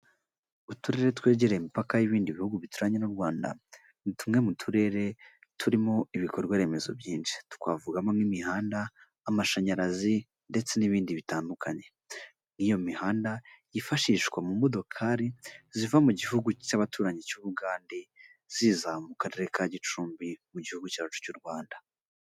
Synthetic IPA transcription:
utuɾe̞ɾe̞twe̞ːɟeɾeimipakajiβiːndiβihuɡuβituɾaɲe̞nuɾɡwaːnda̰ | nitumŋe̞mutʰuɾe̞ɾe̞tʰuɾimo̞iβikoɾɡwaɾe̞me̞zo̞̰bjiːnʃi̥tu̥kwa̰vuɡamo̞nimihaːndaː | maʃaɲaɾazi | ndet͡se̞niβiːndiβitaːndukʰaɲe̞ | nijo̞mihaːndajifaʃiːʃkwamumo̞do̞kʰaɾizivamuɟihuɡucaβatʰuːɾaɲecuːβuɡaːndi | z̥iːzamukaɾe̞ɾe̞kʰaɟit͡ʃuːmbimuɟihuɡucat͡ʃu̥cuɾɡwaːnda

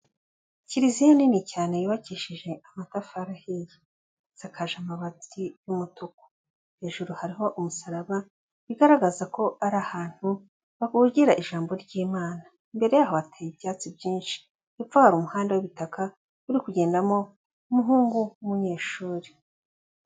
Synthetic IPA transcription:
ciɾizijoninicaːne̞jiβaciːʃiʒe̞amatafaɾahiji | z̥akʰaʒamaβat͡sijumutuko̥ | he̞ːʒuɾuhaɾiɦo̞ʔumusaɾaβa | iɡaɾaɡazako̞aɾahaːn̥hu | βaɡuɟiɾaʔiʒaːmbo̞ɾɟiːmaːna | imbe̞ɾe̞jaːɦo̞βatʰajibjaːt͡sibjiːnʃi̥ | jifahaɾumuhaːndawiβitakʰa | uɾikuɟeːndamo̞ | umuɦuːŋɡuwumuɲe̞ːʃuːɾe

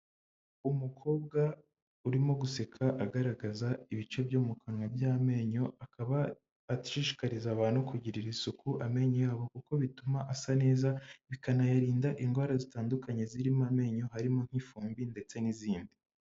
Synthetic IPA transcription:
umukʰo̞ːb̚ɡa | uɾimo̞ɡuse̞kʰaʔaɡaɾaɡazaiβit͡ʃe̞bjoːmukʰanwabjaːme̞ɲo̞aβaː | ti̥ʃiʃi̥kaɾizaβaːnukuɟiɾiɾisukuʔame̞ɲojaːβo̞kuko̞βitumaʔasane̞ːzaβikanajaɾiːndaʔiŋɡwaːɾazitaːndukaɲe̞ziɾimame̞ɲo̞ɦaɾimo̞ŋ̥hifuːmbinde̞t͡se̞niziːndi

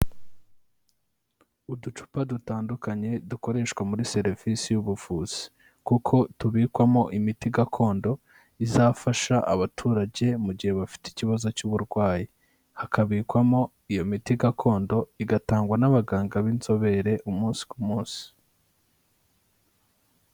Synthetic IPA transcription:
udut͡ʃu̥padutaːndukaɲe̞duko̞ɾe̞ːʃkwamuɾise̞ɾvisijuβuvuːz̥i̥ | kukʰo̞tuβiːkwamo̞ʔimitiɡakʰo̞ːndo̞ | izaːfaʃaʔaβatʰuːɾaɟe̞muɟihe̞βafi̥ti̥ciβazo̞cuβuɾɡwaːji | hakʰaβiːkwamo̞ | ijo̞mitiɡakʰo̞ːndo̞iɡataːŋɡwanaβaɡaːŋɡaβinzo̞βe̞ɾe̞ʔumuːnsi̥kumuːnsi̥

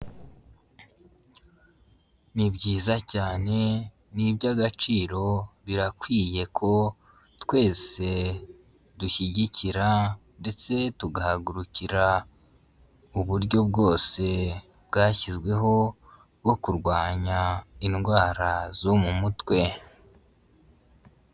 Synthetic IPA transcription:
nibɟiːzacaːne̞ | nibɟaɡat͡ʃiːɾo̞βiɾakwiːje̞kʰo̞ | tkwe̞ːse̞ | duçiɟiciɾande̞t͡se̞tuɡahaɡuɾuciɾa | uβuɾɟo̞b̚ɡo̞ːse̞ | b̚ɡaːçizɡwe̞ɦo̞ | bɡo̞kuɾɡwaːɲainɡwaːɾazomumutwe̞

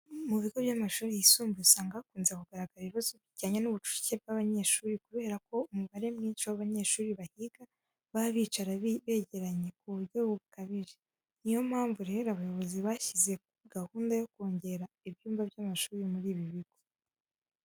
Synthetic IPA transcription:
muβiɡo̞βjaːmaʃuːɾijisuːmbiusaŋɡakuːnzekuɡ̥aɾaɡ̥aɾiβiβazo̞bjiɟaːɲanuβut͡ʃu̥ci̥ce̞b̚ɡaβaɲe̞ʃuːɾikuβe̞ːɾako̞umuβaɾe̞mŋiːt͡ʃowaβaɲe̞ʃuːɾiβahiɡ̥a | βaβiːt͡ʃaɾaβeːɟe̞ɾaɲe̞kuβuɾɟo̞βuβukaβiʒe | nijo̞mhaːɱvuɾeɾaβajo̞βo̞ziβaçize̞ | ɡ̥ahuːndajo̞koːɲɟe̞ɾa | iβjuːmvabjaːmaʃuːɾimuɾiːβiβiɡ̥o̞

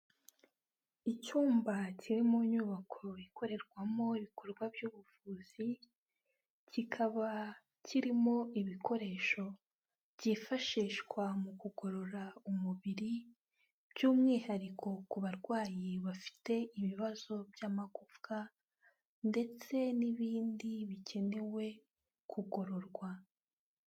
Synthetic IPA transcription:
icuːmbaciɾimuɲuːβakʰo̞ikʰo̞ɾe̞ɾɡwamo̞iβikʰo̞ɾɡwabjuːβuvuːz̥i | cikʰaβa | ciɾimo̞iβikʰo̞ɾe̞ːʃo̞ | bɟifaʃiːʃɡwamukuɡo̞ɾo̞ɾaumuβiɾi | bjuːmŋiːhaɾikʰo̞kuβaɾɡwaːjiβafi̥te̞iβiβazo̞bjaːmakuvka | nde̞t͡se̞niβiːndiβice̞ne̞we̞ | kʰuɡo̞ɾo̞ɾɡwa

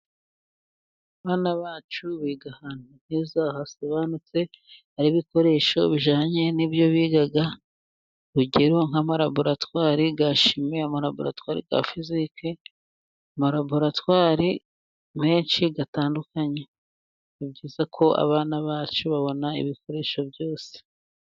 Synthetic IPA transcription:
aβaːnaβaːt͡ʃuβiːɡahan̥hun̥iːzahaso̞βanut͡se̞haɾiβiko̞ɾe̞ʃo̞βiʒaːɲe̞nibjo̞βiːɡaɡa | uɟeɾoŋhamaɾaboɾatwaːɾiɡaʃimeamoɾabo̰ɾa̰twaːɾḭɡa̰fizike | amoɾaboɾatwaːɾi | me̞ːnʃiɡataːndukaɲe | ibɟiːzakʰo̞a̰βaːnaβaːt͡ʃuβaβo̞naḭβiko̞ɾe̞ʃo̞bjo̞ːse̥

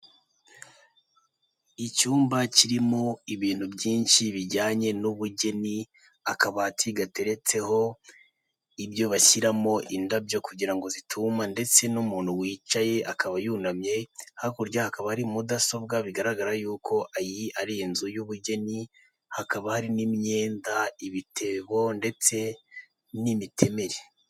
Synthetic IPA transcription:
icuːmbaciɾimo̞iβiːnhubɟiːnʃiβiɟaːɲe̞nuβuɟe̞ni | akaβatʰiɡate̞ɾe̞t͡se̞ho̞ | ibjo̞βaçiɾamo̞ʔindabɟo̞kuɟiɾaŋɡo̞zitʰumande̞t͡se̞numuːnhuwiːt͡ʃaje̞ʔakaβajuːnamɲe̞hakuɾɟahakaβahaɾimudaso̞b̚ɡaβiɡaɾaɡaɾajuːkʰo̞ʔajiaɾijenzujuβuɟe̞ni | hakaβahaɾinimɲe̞ːndaiβitʰe̞βo̞nde̞t͡se̞ | nimitʰe̞me̞ɾe

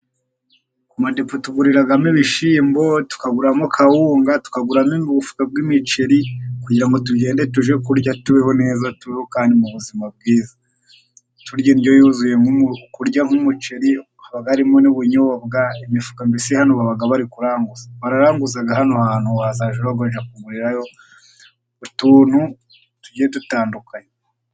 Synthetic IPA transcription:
kumadepotuɡuɾiɾaɡamiβiʃiːmbo̞tu̥kaɡuɾamokʰawuːŋɡatu̥kaɡuɾaminuβufu̥kab̚ɡimit͡ʃeɾikuɟiɾaŋɡo̞tuɟe̞ːndetuʒekuɾɟatuβeho̞ne̞ːzatuβehokaːndimuβuzimab̚ɡiːza | tuɾɟanijojuzuje̞ŋukuɾɟaŋumut͡ʃe̞ɾi | aβaɡaɾimoniβuɲooβɡaimifu̥kambisihanoβaβaɡaβaɾikuɾaːŋɡuz̥aβaɾaɾaːŋɡuzaɡahanohan̥huaazaːʒeβaɡwoʒakuŋɡuɾiɾajo̞ | utuːn̥hu | tuɟetutaːndukajo

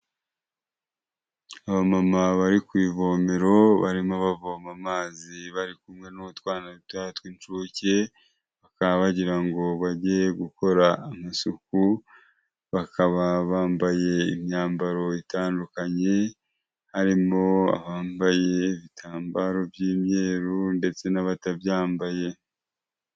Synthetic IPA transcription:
aβamamaβaɾikwiːvo̞ːmeɾo̞βa̰ɾimoβavoːmamaːziβaɾikumŋe̞noβutwaːnautwatwint͡ʃuːce̞ | βakaβaβaɟiɾaŋɡo̞βaɟeɡuko̞ɾaːmasuku | βakʰaβaβaːmbaje̞imjaːmbaɾo̞itaːndukaɲe̞ | haɾimo̞a̰βaːmbaje̞ːβitʰaːmbaːɾo̞vjiːmɲe̞ːɾunde̞t͡se̞naβatabjaːmbaje̞

